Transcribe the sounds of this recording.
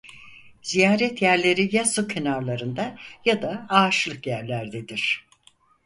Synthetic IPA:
z̥ijaːɾɛt̪jæɾlʲe̞ɾijasucʰenaɾlˠaɾɯnd̪ajad̪aaːt͡ʃlˠɯkjæɾlʲæɾd̪ed̪iɾ̥

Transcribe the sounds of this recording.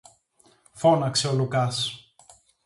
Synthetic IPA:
fo̞nɐkseolukɐs

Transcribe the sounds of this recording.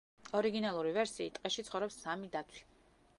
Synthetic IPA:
ɔɾiɡinalˠuɾivɛɾsiːt̪ʼqʼɛʃit̪sʰχɔvɾɛpsamid̪at̪ʰi̥

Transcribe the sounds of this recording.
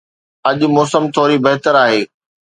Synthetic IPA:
ɐʄʊ̆mɔːsəmt̪ʰoːɾibɐɦɪt̪əɾaːɦeː

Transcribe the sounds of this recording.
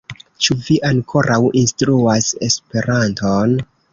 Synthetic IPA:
t͡ʃuviʔaŋkʰo̞ɾʔawʔinstɾuase̞spe̞ɾʔanton

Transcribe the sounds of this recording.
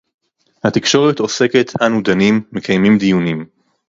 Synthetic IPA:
hat̪ikʃo̞ʁet̪o̞se̞ke̞t̪ʰanud̪animːe̞kʰajmimd̪ijunim

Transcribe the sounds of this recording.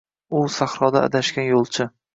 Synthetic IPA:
ʊsaχɾɒd̪aa̰d̪aʃkʲanjolˠt͡ʃʰɪ

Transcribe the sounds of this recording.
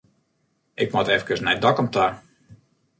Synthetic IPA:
ʔɪkmɔtɛfkəsnɛjdɔkɔmta

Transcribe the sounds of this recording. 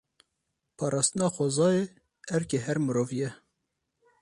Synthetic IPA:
pʰɑːɾʔɑːst̪ənɑːxʷɔzɑːe | ɛɾkeɦɛɾmɨɾoːvjɛ

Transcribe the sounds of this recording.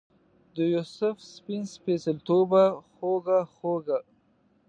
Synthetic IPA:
d̪əjusʊfspinspesəlt̪obaxoɡaxoɡa

